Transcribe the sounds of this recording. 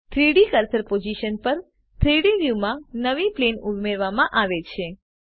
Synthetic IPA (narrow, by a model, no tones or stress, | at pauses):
t̪ʰɾiɽikəɾsəɾpod͡ʒiʃənpəɾ | t̪ʰɾiɽiɾjumãnəʋiplenumeɾʋamãʔaʋet͡ʃʰe